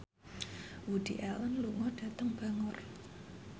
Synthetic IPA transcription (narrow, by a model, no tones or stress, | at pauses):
wud̪̥iʔɛlənluŋɔɖ̥ä̤t̪əŋb̥a̤ŋʊr